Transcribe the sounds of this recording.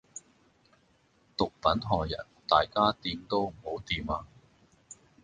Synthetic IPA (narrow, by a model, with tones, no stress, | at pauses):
t̪ʊ˨k̚fɐ˨˥ntɔː˨˩jɐ̰˨˩nt̪aː˨jkaː˥t̪iː˨˧mt̪o˥wm̩˨˩ho˨˥wt̪iː˨maː˧